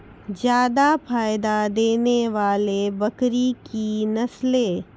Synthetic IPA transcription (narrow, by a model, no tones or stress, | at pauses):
zjaːd̪apʰaːjd̪ad̪eːneʋaːlebɐkɾikinɐsleː